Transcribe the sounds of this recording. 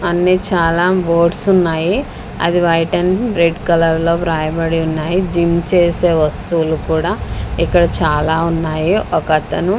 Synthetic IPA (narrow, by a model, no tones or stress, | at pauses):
ɐnːit͡ʃaːlaːbo̞ːɖsunːaːji | ɐ̰d̪iʋɐjʈɐnɾeɖkɐlɐɾlo̞ːpɾaːjɐbɐɽiunːaːjid͡ʒimt͡ʃeːse̞ːʋɐst̪uʋulukuːɽaːikːɐɽɐt͡ʃaːlaːunːaːjiɔkɐt̪ɐnu